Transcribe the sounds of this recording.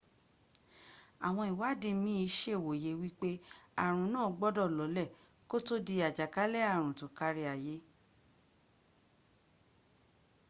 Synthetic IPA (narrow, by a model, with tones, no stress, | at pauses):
a˨w̃ɔ̃˧i˨wa˨˦˨de˦˧mĩ˦i˧˦ʃe˦˨wo˨je˨˦wi˦k͡pe˦a˦˨ɾ̃ũ˨˦nãː˦˨˦ɡ͡bɔ˦dɔ˦˨lɔ˨˦lɛ˦˨ | ko˦to˦di˧a˨d͡ʒa˨ka˨˦lɛ˦a˦˨ɾ̃ũ˨to˨ka˧ɾi˧a˨je˨˦